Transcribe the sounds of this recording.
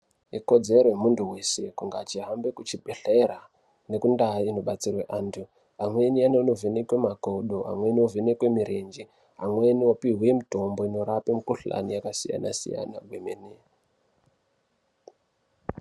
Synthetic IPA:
iko̞d͡zeɾojemuntuwe̞se̞kuŋɡat͡ʃiɦambe̞kut͡ʃibʱeɬera | ne̞kundaino̞ɓat͡sirweʔaːntʰu | amwe̞nianonovenekwe̞makoɗoa̰mwe̞niovenekwemiɾʔend͡ʒi | ɦamwe̞niopiɦwemito̞mbo̞ino̞ɾapemukuɬa̰nijakasija̰na̰sḭja̰na̰ɡʱwemene

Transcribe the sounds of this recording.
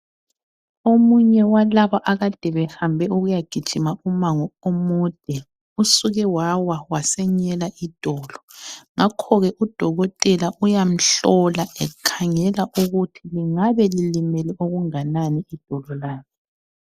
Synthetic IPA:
omuɲɛwalaβaʔaɣad̥ʱɛβɛhambʱɛuɣujaɡ̥ʱid̥ʒ̥ʱimaumaŋɔomud̥ʱɛ | usuɣɛwawawasɛɲɛlaʔid̥ʱɔːlɔŋakʰɔɣɛʔud̥ʱɔɣɔtʼɛlaʔujam̩ɬɔlaʔɛkʰaŋɛlaʔuɣutʰiliŋaβɛlilimɛlɛʔoɣuŋananiid̥ʱɔlɔlaːzɔ

